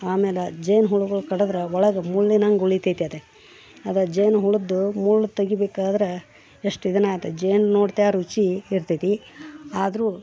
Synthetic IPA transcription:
aːmeːled͡ʒejnɦuɭuɡɐɭukɐɽd̪ɾeɔɭɐɡɐmuɭːinɐŋɡuɭit̪ijt̪iɐt̪e | ɐd̪ɐd͡ʒejnɦuɭud̪ːumuɭːut̪ɐɡibeːkaːd̪ɐɾe | eʂʈid̪ɐnaːjt̪ed͡ʒejnnoːɖt̪eaɾut͡ʃiːɾt̪it̪iaːd̪ɐɾuː

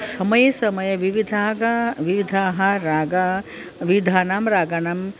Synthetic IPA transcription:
sɐmɐjɐsɐmɐjɐʋiʋid̪ʱaːɡɐʋiʋid̪ʱaːɦɐɾaːɡa | ʋiʋid̪ʱaːnaːmɾaːɡanaːm

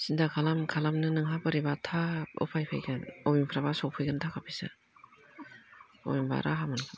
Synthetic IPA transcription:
sindakʰalamkʰalamnɯnɯŋɦabɯɾibatʰap̚ɔ̰pʰajpʰajɡɯnowimpʰɯɾabasok̚pʰɯjɡɯntʰakʰapʰisa̰ | o̰jimba̰ɾʔa̰ɦamɯnkʰɯ

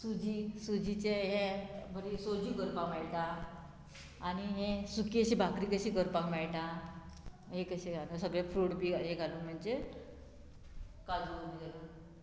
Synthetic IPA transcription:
sud͡ʑisud͡ʑit͡ɕeɦẽbʱəɾisod͡ʑuɡəɾpamaɭʈ̪a | aniɦesukiəɕibʱakɾikəɕiːɡəɾpãmaɭʈ̪a | ɦekəɕeɡʱalusəɡɭjafɾuɽpiɡʱaɦeɡʱaluməɳd͡ʑe | kad͡zodd̪ela

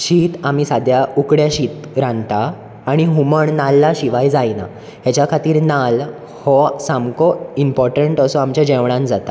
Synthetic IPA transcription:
ɕiːt̪amiːsad̪jaukɽjaɕiːt̪ | ɾãnt̪aː | ɽ̃iɦuməɳnalːaɕiʋajd͡zajna̰ | ɦjat͡ɕjakʰat̪iːɾnal | hɔsãmkɔimpɔɾʈəɳʈəsɔamt͡ɕjad͡ʑɛʋɽãnd͡zat̪a

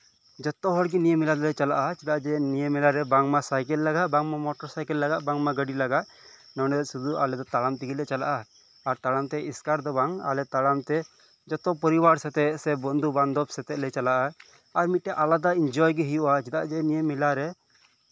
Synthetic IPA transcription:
d͡ʒɔt̪ɔɦɔɽɡinijemilad̪ɔlɛt͡ʃala̰ʔat͡ʃit̪aʔd͡ʒɛnijemilaɾɛbaŋmasajkɛlːaɡaʔbaŋmamɔʈɔɾsajkɛlːaɡaʔbaŋmaɡəɖilaɡaʔ̪ | nɔwnɛd̪ɛsud̪ua̰lɛd̪ɔt̪alamt̪iɡilɛt͡ʃala̰ʔaː | ɾt̪aɽamt̪ɛiskaɾd̪ɔbaŋa̰lɛt̪aɽamt̪ɛ | d͡ʒɔt̪ɔpɔɾibaɾsɛt̪ɛʔsɛbɔnd̪ʱuband̪ɔbsɛt̪ɛʔlɛt͡ʃalaʔa | aɾmit̪̚ʈɛʔalad̪aind͡ʒɔjɡiɦijuʔat͡ʃɛt̪aʔd͡ʒɛnijemilaɾɛ

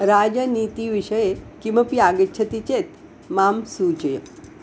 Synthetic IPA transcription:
ɾad͡ʒənit̪iʋiʃəjekiməpiaɡitːt͡ʃʰət̪it͡ʃet̪ | mamsut͡ʃəjə

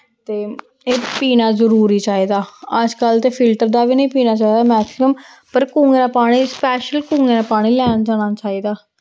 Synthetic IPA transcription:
t̪eː | eːpiːnaːzəɾuːɾiːt͡ʃaːiːd̪aːəd͡ʒkəlt̪eːpʰɪlʈəɾd̪aːbiːnə̃ĩːpiːnaːt͡ʃaːid̪aːmɛːksɪməm | pəɾkũːŋɡeːnãːpaːɽ̃iːspɛːʃəlkũːŋɡenãːpaːɽ̃iːlɛːnd͡ʒaːɽ̃aːt͡ʃaːiːd̪aː

